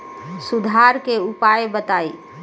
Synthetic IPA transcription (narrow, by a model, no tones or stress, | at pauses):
sud̪ʱaɾkeupajbət̪ai